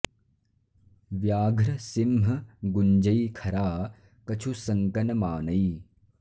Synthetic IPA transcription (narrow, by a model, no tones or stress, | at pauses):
ʋjaːɡʱɾɐsimɦɐɡuɲd͡ʒɐjikʰɐɾaː | kɐt͡ʃʰusɐŋkɐnɐmaːnɐi